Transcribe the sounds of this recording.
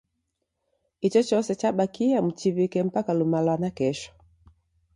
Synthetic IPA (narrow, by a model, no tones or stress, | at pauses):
it͡ʃɔt͡ʃɔsɛt͡ʃaɓakiam̩t͡ʃivikɛm̩pakalumalanakɛʃɔ̥